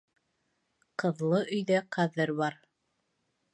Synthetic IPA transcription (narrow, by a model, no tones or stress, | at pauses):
qɤ̆ðlˠɤʔɵ̆jðæqʰɑðɤɾβɑɾ